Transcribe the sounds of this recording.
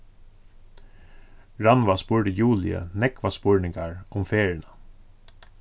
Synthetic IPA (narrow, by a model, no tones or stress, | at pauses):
ɹɑnʋaspuːɹɖəjuːlɪ̰ə̰nɛkʋaspʊɹnɪŋɡaɹʊmfeːɹnə